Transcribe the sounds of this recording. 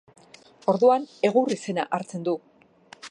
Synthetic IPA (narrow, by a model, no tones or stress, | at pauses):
o̞ɾðuane̞ɣ̞urise̞naʔaɾt͡se̞nd̪u